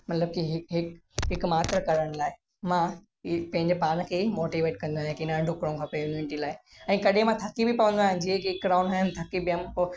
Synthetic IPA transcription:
mɐt̪ləb̚kiɦɪɦɪkɦɪkmaːt̪ɾəkɐɾəɽ̃laːɪ | mã | pɐ̃ɦɪ̃ɲd͡ʑepaːn̆kʰeːmoːʈiːʋeːʈ̚kɐ̃nd̪uaːɦɪ̃kinɐɖʱʊkɽũkʰapejumjunɪʈilaːɪɛ̃ːkɐɗemãt̪ʰɐkibʱipɐʋə̃nd̪uaːɦɪ̃d͡ʑiekiɪkɡɾaːʊnaːɦɪnɪt̪ʰɐkibio

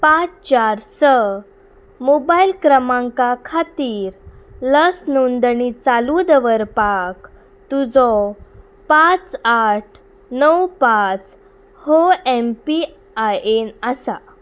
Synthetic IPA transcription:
pãt͡st͡ɕaɾsə | mobailkɾəmãŋkakʰat̪iːɾləsnund̪ɳit͡salud̪əʋəɾpak | t̪ud͡zɔ | pat͡saʈʰ | nəwpat͡s | hoempi | ajenəsa

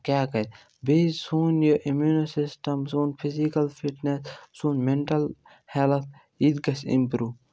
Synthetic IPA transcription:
kjaːkɐt̪ | biːzsuːnjoʔimjuːnosisʈɐmsuːnfʰizikɐlfiʈnessunmeɳʈɐl | hɛlt̪ʰ | id̪ɡɐsḭ̃mpɾuː

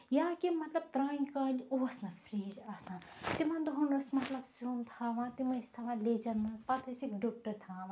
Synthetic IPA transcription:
jaːkimɐt̪lɐb̚t̪ɾãːŋʲkãːnd͡ʒoʋɐsnɐfɾiːd͡ʒasãːt̪imɐ̃nd̪uɦunɐsmɐt̪lɐbsuːmt̪ʰaːʋãːt̪imɐ̃st̪ʰaːʋãleːd͡ʒɐnmɐ̃nsbat̪ʰɐsikɖok̚ʈɐɾt̪ʰaːʋãː

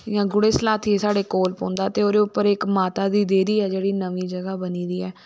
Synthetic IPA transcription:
jãːɡʊɽeːslaːt̪ʰiːesaːɽeːkoːlpõ̰ːnd̪aːt̪eːoːd̪eːʊpːəɾɪkmaːt̪aːd̪iːd̪eːd̪iːɛːd͡ʒeːɽiːnəʋiːd͡ʒəɡaːbəniːd̪iːɛː

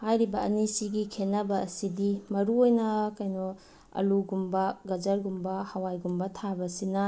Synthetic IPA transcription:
hajɾibɐɐnisiɡikʰenːɐbɐːsidimɐɾuojnɐkajnɔ | ɐ̰luɡumbɐɡɐd͡ʒɐɾɡumbɐhɐwajɡumbɐtʰabɐsinɐ

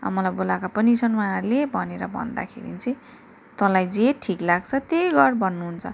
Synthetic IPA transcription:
a̰mʌlajbolakapʌnisʰʌnwãarlebʱʌneɾʌbʱʌ̰nd̪a̰kʰḛɾḭt͡sʌj̃ | t̪ʌlajd͡zeʈʰiklaɡ̚t͡sʰʌt̪eɡʌrbʱʌnːuɦunt͡sʰʌ

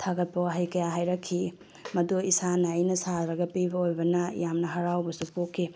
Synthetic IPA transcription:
tʰaɡɐt̚pɐaɦajkɐjaɦajɾɐkʰːi | mɐduisanajnɐsaɾɐɡɐpibɐojbɐnɐjamnɐɦɐɾawbɐsupokʰːi

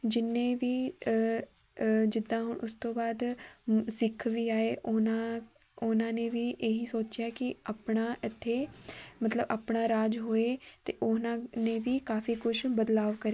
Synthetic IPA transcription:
d͡ʒɪnːẽːʋiː | d͡ʒɪd̪ːãːɦʊɳʔʊst̪õːbaːd̪sɪkʰːʋiːaːeːʔʊnãː | ʊnãːneːʋiːʔeːɦiːsoːt͡ʃɪjaːkɪaːpɳaːʔɪt̪ʰːeːmət̪ləbʔaːpɳaːɾaːd͡ʒɦoːeːt̪eːʔʊnãːneːʋiːkaːfiːkʊʃbəd̪laːʋkəɾeː

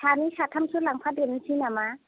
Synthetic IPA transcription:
sʰanisatʰamsulaŋpʰadensʰinama

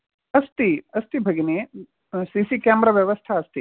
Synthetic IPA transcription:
ɐst̪iɐst̪ibʱɐɡineː | sisikaːmbɾɐʋjɐʋɐst̪ʰaɐst̪i

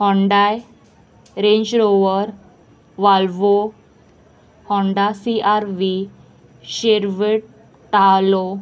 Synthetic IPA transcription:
hɔ̃ɳɖaj | ɾẽɲd͡ʑɾoʋəɾ | ʋalʋo | hɔ̃ɳɖasiʔaɾʋi | ɕeɾʋeɽ | ʈalo

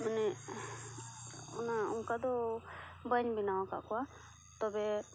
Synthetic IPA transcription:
mənɛ | ʊnaʊŋkad̪ɔ | bəɲbinawaka̰kɔa | t̪ɔbɛ

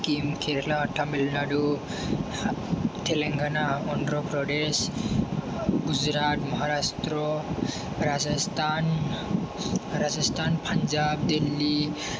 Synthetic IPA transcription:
kimkʰeɾlaʈʰamilnaɖu | t̪ʰeleŋɡʱanaɔnɾɔpɾɔɖes | ɡud͡ʒɾat̪mɔɦaɾast̪ɾɔ | ɾazast̪ʰan | ɾad͡ʒʌst̪ʰanpʰənd͡ʒabd̪ilːi

